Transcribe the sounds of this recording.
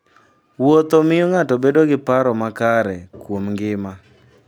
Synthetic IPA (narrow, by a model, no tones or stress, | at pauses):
wot̪omɪjoŋatɔbedoɡɪpaɾɔmakaɾɛkwomŋɡɪma